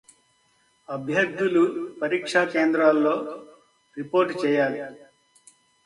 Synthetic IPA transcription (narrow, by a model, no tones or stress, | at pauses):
ɐbʱjɐɾ̚d̪ulupɐɾiːkʂaːkeːnd̪ɾaːlːo̞ː | ɾipoːɾʈt͡ʃɛːjaːli